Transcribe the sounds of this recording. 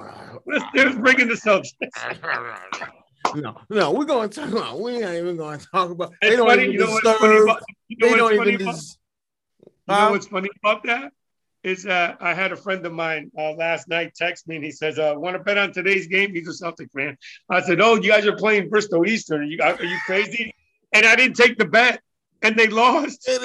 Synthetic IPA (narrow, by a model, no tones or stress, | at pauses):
lɨtsðə˞zbɹɪ̃ŋɪ̃ŋðɨsɛlˠsɨs | noʊnoʊwiɡoʊə̃ntʰɔkəbaʊt̚winaɾivɨ̃nɡoʊ̃tʰɔkəbaʊɨfʌnijɨnoʊwʌtfʌniəbaʊtjɨnoʊwʌʌni | jɨoʊwʌtsfʌniɨb̥aʊt̪̚ðæt̚ | ɪzʌɾaɪɨɾɨfɹɛ̃ndʌvmãɪ̃nʌlæstⁿnaɪtʰɛksmiɨ̃nisɛzʌwɑ̃nəbɛɾn̩tʰɨɾeɪzɡẽɪ̃mːizəsɛlˠftɨkʰɹæ̃naɪsɛɾoʊjɨɡaɪzə˞pʰl̥eɪɪ̃ŋbɪstoʊistə̃˞nnjɨaɪjɨkʰɹ̥eɪzði | ɨ̃naɪɾɪdⁿn̩tʰeɪk̚ðɨbɛɾ̚ | ɨ̃nðeɪlɔst